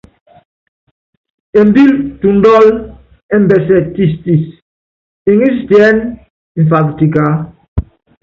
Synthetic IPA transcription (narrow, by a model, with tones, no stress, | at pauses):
ɛ˨m˦bi˦ltu˨ndɔ˦l | ɛ˦mbɛ˨sɛ˦˨ti˦sti˨s | i˨ŋi˦stjɛ˦n˨ | ɱ˨fa˨kti˨ka˨˦